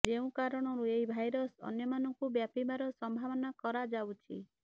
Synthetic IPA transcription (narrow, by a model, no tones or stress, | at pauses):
d͡ʒeũkaɾɔɽ̃ɔɾuejbʱajɾɔsɔ̰njɔmanɔŋkubjapibaɾɔsɔmbʱaβɔnakɔɾad͡ʒawt͡ʃʰḭ